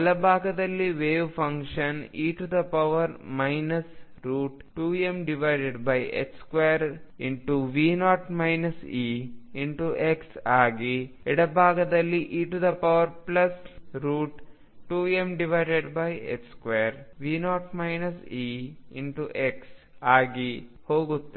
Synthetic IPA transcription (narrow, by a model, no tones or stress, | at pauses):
ɐlɐbʱaːɡɐd̪ɐlːiʋeːʋfɐ̃ŋkʂɐniːʈud̪ɐpɐʋɐɾmajnɐs | ɾuːʈʈuːemɖiʋajɖeɖbɐjḛkskʋejɐɾiɳʈuʋiːnaːʈmɐjnɐsiːiɳʈuʔeksaːɡi | iɽɐbʱaːɡɐd̪ɐlːiʔiːʈud̪ɐpɐʋɐɾplɐsɾuːʈ | ʈuːemɖiʋajɖeɖbɐjḛkskʋejɐɾʋiːnaːʈmɐjnɐsiːḭɳʈuʔeks | aːɡi | hoːɡut̪ːɐ